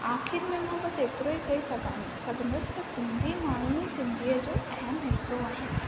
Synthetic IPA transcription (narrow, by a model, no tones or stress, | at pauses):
aːxʰɪɾmɛ̃ːnkʰãpɐseːt̪ɾoːit͡ɕɐisɐɡʱãːnɪsɐbʱɪnəst̪ɐsɪ̃nd̪ʱimaːɾ̤unisɪ̃nd̪ʱijəd͡ʑoːʔɐjaːnɦɪsːoaːɦɪnɪ̆